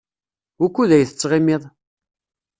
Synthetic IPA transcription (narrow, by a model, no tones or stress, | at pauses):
ʊkʷːuðæjθət͡sːʁimɪðˤ